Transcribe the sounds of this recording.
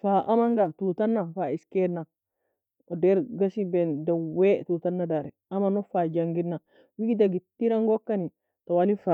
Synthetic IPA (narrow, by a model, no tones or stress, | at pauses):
faʔamaŋɡatut̪anːafaiskɛna | ɔdɛɾɡasibɛndawɛt̪uːt̪anːadaɾɛ | amanɔfad͡ʒaŋɡinːa | wiɡid̪aɡit̪ːiɾaŋɡɔkːani | t̪owalifa